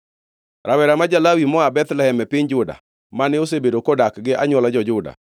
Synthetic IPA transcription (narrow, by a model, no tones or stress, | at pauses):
ɾʔawɛɾamad͡ʒalawimɔabɛt̪lɛhɛmɛpɪɲd͡ʒʊda̰ | manɪosebedokodakɡɪʔaɲwɔlad͡ʒɔd͡ʒʊda̰